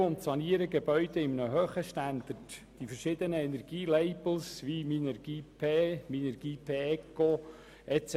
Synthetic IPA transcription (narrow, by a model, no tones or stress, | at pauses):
ʊnt̪sɑniəɾəɡɛbœʏd̥̪ɛɪmnəɦøːχəʃtænd̪ərtd̥ifəɾʃɪd̪ənəɛnɛrɡ̥iːleɪbl̩sʋiminɛɾɡ̥iːpʰeːminɛɾɡ̥iːpʰeːɛkːo | ʔɛtt͡s